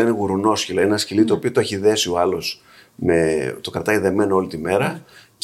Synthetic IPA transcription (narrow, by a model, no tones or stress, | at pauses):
ineɣuɾuno̞scilɐenenɐscilit̪opiot̪oeçiðe̞sio̞ɐlos | met̪o̞kɾɐt̪ɐjðe̞me̞noo̞lit̪ime̞ɾɐ